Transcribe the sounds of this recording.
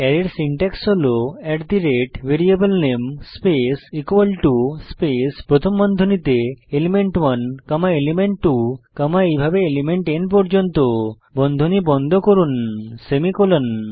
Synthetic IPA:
ɛɾeɾsiɳʈɛksoloɛʈd̪iɾeʈbeɾiebəlnemspesikwalʈuspespɾot̪ʰomːbɔnd̪ʱonit̪eelimeɳʈwɐnkəmaelimeɳʈːukəmaejbʱabeelimeɳʈenpɔɾd͡ʒont̪o | bɔnd̪ʱonibɔnd̪ʱokoɾunsemikolon

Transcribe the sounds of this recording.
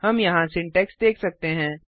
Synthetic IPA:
hɐmjɐɦãsɪ̃ɳʈɛːksd̪eːkʰsɐk̚t̪eɦɛ̃ː

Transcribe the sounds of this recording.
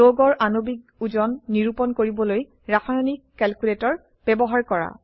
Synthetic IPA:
oɡɔɹʔanobik̚ | uzɔnːiɹupɔnkoɹibɔloj | ɹaxʰanikːɛlkuletɔɹ | b̥ɛbɔɦaɹkɔɹa̰

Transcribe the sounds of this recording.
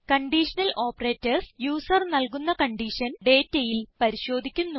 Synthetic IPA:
kɐɳɖiʂɐnɐlʔo̞ːpːɐre̞ːtːɐrsjuːsɐrnɐlkunːɐkɐɳɖiːʂɐnɖe̞ːtːejilpɐɾiɕo̞ːd̪ʱikʲːunːu

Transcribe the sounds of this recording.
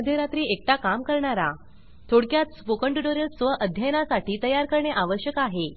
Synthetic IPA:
d̪ʱjeɾat̪ɾiːek̚t̪akamkəɾɳaɾa | t̪ʰoɽkjat̪spokəɳʈuɖoɾəsʋəʔəd̪ʱjajnasaʈiːt̪əjaɾkəɾɳjeʔaʋəɕjəkaɦe

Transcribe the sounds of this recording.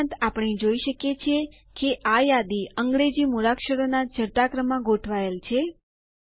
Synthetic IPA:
t̪apɳ̃id͡ʒoiʃəkjet͡ʃʰe | keʔajad̪iəŋɡɾed͡ʒimuɾakʃəɽonad͡ʒəɾt̪akɾəmãɡoʈʰʋaelt͡ʃʰe

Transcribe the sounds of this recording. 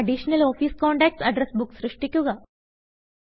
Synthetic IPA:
ɐɖiːɕnɐlɔːfiːskɔ̃ːɳʈɛk̚ʈsɐɖɾesbuksɾɨʂʈikjuɡa

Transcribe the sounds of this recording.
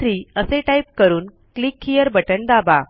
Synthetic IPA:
ɾiːəseʈaip̚kəɾuːn | klikʰːijəɾbəʈəɳd̪aba

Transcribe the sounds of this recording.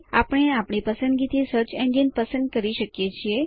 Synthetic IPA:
a̰pɽ̃eapɽ̃ipəsə̃nd̪ɡit̪ʰisəɾt͡ɕẽɳɖjənpəsə̃nd̪̚kəɾiʃəkijet͡ɕʰie

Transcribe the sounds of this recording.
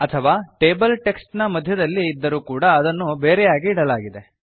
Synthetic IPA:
ɐt̪ʰɐʋaːʈeːbɐlʈe̞ksʈnɐmɐd̪ʱjɐd̪ɐlːiːd̪ːɐɾuːkuːɽɐːd̪ɐnːubeːɾɛjaːɡiːɽɐlaːɡid̪e̞

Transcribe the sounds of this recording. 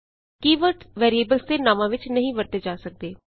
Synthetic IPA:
kiːʋəɾʈʋɛːɾieːbəlst̪eːnãːmãːʋɪt͡ʃnəɦĩːʋəɾt̪eːd͡ʒaːsək̚d̪eː

